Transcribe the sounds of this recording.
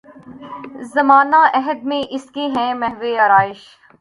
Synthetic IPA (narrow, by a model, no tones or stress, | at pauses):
zɐmaːnaʔɛɦəd̪̚mẽʔɪskeɦɛ̃mɛɦʋeɐɾaːɪʃ